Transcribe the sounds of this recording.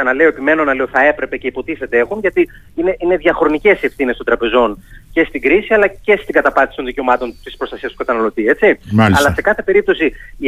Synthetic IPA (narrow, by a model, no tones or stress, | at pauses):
ɐnɐle̞o̞epime̞no̞nɐleo̞θɐe̞pɾe̞pe̞ce̞ipo̞t̪iθe̞t̪ee̞xunʝɐt̪i | ine̞ʔine̞ðʝɐxɾo̞nice̞sie̞fθinest̪od̪ɾɐpe̞zo̞nce̞st̪iɡɾisiɐlɐce̞st̪iŋɡɐt̪ɐpɐnisi̥t̪o̞nðice̞omɐt̪o̞nt̪ispɾst̪ɐsiɐst̪ukɐt̪ɐnɐlo̞t̪ie̞t͡simalɐlɐse̞kɐθe̞pe̞ɾip̚t̪o̞si